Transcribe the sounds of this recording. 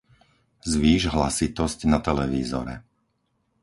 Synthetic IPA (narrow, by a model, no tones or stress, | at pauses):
zʋiːʒɦla̰sit̪ɔscnat̪ɛlɛʋiːzɔ̰ɾɛ̰